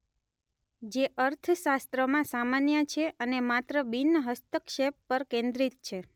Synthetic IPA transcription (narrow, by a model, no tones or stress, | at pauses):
d͡ʒeʔəɾt̪ʰəʃast̪ɾəmãsamanjət͡ʃʰeʔənemat̪ɾəbinːəɦəst̪əkʃepːəɾkẽnd̪ɾit̪̚t͡ʃʰe